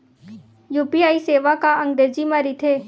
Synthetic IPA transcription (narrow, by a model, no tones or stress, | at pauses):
juːpiaːiseːʋakaəŋɡɖ̪ed͡ʒimãɾit̪ʰeː